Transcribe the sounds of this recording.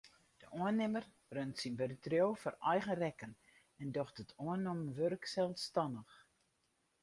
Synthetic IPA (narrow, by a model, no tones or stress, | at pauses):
d̥əʔoənːɪmər | røntsinbøɾətrjowfɔrɛjɣərɛkən | ɛndɔxtətʰoənɔmʋørksɛlˠstɑndəx